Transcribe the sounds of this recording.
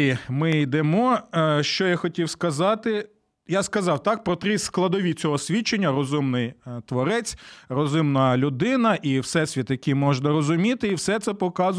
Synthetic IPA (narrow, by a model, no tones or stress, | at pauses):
mɪid̪emɔʃt͡ʃɔjaxɔtʲiwskɐzɑt̪ɪ | jaskɐzɑwt̪ɑk̚pɾɔt̪ɾɪsklˠɐd̪ɔʋʲit͡sʲɔɦɔsʲʋʲit͡ʃːenʲːɐɾɔzumnɪjt̪ʋɔɾɛt͡sʲrɔzʊmnɐlʲʊd̪ɪnɐʔiwsɛsʲʋʲit̪jɐkʲimɔʒnɐɾɔzʊmʲit̪ɪiwsɛt̪sɛpɔkɑz